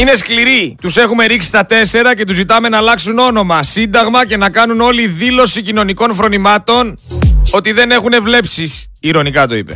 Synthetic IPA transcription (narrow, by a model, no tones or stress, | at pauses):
ine̞skliɾit̪use̞xume̞ɾiksi̥st̪ɐt̪e̞se̞ɾɐce̞t̪uzit̪ɐme̞nɐlɐksuno̞no̞mɐsind̪ɐɣmɐce̞nɐkɐnuno̞liðilo̞sicino̞niko̞nfɾo̞nimɐt̪o̞no̞t̪iðe̞ne̞xune̞vle̞psis | iɾo̞nikɐt̪o̞ḭpe̞̰